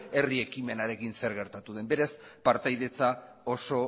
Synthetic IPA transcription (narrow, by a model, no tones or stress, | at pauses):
e̞rie̞kime̞naɾe̞kinse̞ɾɣe̞ɾt̪at̪uðe̞mbe̞ɾaspaɾt̪ajðe̞t͡sao̞so̞